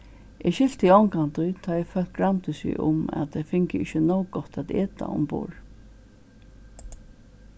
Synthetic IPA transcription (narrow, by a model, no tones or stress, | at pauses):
ʔɛɕɪl̥t̪iɔŋkant̪ʊjt̪ʰaːɛfœl̥t̪̚ɡɹant̪ɪsɪ̰ʔʊ̰mɛ̰t̪ɛfɪŋkəɪçənɔwɡɔht̪ʰæt̪eːt̪a̰ʊ̰mpṵːɹ